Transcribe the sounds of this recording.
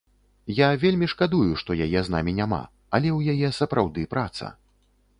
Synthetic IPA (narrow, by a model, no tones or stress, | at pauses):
javʲelʲmʲiʂkad̪ujuʂt̪ɔjajɛzna̰mʲinʲama̰ | ɐlʲɛwjajɛsɐpɾawd̪ɨpɾat̪sɐ̰